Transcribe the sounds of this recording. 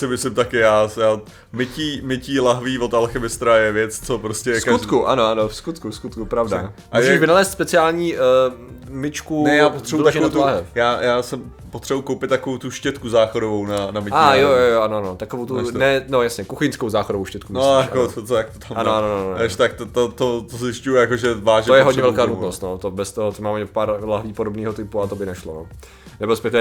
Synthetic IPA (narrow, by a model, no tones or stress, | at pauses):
sɪmɪslɪmt̪akɪjaːsja | mɪciːmɪciːlaɦviːvot̪alxɪmɪst̪ɾajɛvjɛt͡st͡sopɾoscɛskaut̪kuʔa̰noʔanofskut̪kuskut̪kupɾavda̰ | muʒɛʃvɪnalɛːst̪spɛt͡sɪaːlɲiː | mɪt͡ʃkunɛjaːpot̪r̥ɛbudolaɛnat̪laːɦɛjaːjaːsɛ | pot̪r̥ɛbukowpɪt̪ːakovowt̪uʃcɛt̪kuzaːxodovownanamɪajojojoanoanot̪akovowt̪unɛnojasɲɛkuxɪnskowzaːxodovowʃcɛt̪kumosjakot̪ojak̚t̪o̥t̪ʰamanoanonoaʃt̪ak̚t̪t̪ot̪ot̪ozɪscujujakoʒɛvaːʒɛojɛɦod̪ɲɛvɛlkaːnut̪nost̪not̪obɛst̪oɦot̪omaːmɛpaːɾlaɦliːpodo̞bniːɦot̪ɪpuat̪obɪnɛʃlono̰ | nɛbɪlspɛt̪i